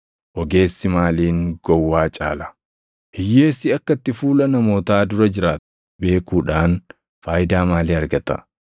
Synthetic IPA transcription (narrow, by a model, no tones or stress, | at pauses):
ʔɔɡe̞ːsːɪmaːliːŋɡɔwːaːt͡ʃʼa̰ːlɐ̥ | hɪjːeːsɪɐkːɐt̪ːɪfuːlɐnɐmo̞ːt̪aːd̪ʊɾɐd͡ʒɪɾaːt̪ | be̞ːkuːᶑaːn | faːjɪd̪aːmaːliːɐɾɡɐt̪ɐ̰